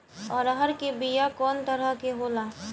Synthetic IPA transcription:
ɔːɾəɦəɾkebijakɔːnt̪əɾəɦkeɦoːlaː

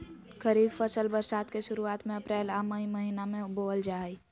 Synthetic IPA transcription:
kʰəɾiːbfəsəlbəɾsaːt̪keʃʊɾuaːt̪mẽɐpɾɛːlaməɦiməɦiːnamẽboːld͡ʒaːi

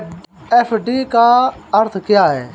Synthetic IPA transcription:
ɛːfʰɖiːkaːəɾt̪ʰkɪjaːɦɛː

